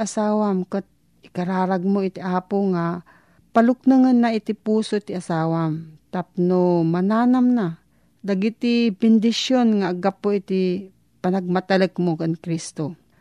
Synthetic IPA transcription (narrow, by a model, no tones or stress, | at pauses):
ʔasaːwamkat̪̚ | ɪkɐɾaːɾaɡ̚moɪt̪ɪʔaːpoŋa | palʊk̚nɨŋanːaʔɪt̪ɪpuːsot̪ɪasaːwamt̪ap̚nomɐnaːnamna | d̪aɡɪt̪ɪbɪnd̪ɪʃjonŋaʔɡapːoʔɪt̪ɪ | pɐnaɡ̚mat̪aləkmokaŋkɾist̪o